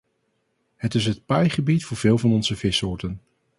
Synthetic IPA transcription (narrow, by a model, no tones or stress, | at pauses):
ɦətɪs̬ɦət̚pɛjχəbitfʊːɹv̥ɪːlˠvɑnɔnzəvɪsʊːɹtən